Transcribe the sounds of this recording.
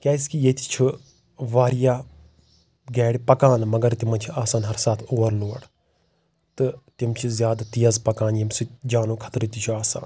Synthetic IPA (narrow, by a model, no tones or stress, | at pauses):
kʲaːiskijet̪i̥t͡ʃʰu | ʋaːɾijaː | ɡɛːɽipɐkaːnmɐɡɐɾt̪imɐnt͡ʃʰiaːsaːnɦɐɾsaːt̪ʰoːɐɾloːɽ | t̪ɨt̪imt͡ʃʰizjaːd̪at̪ijɐzpɐkaːnjɐmsid͡ʒaːnoːkʰɐ̥t̪ɾt̪it͡ʃʰuaːsa̰ːn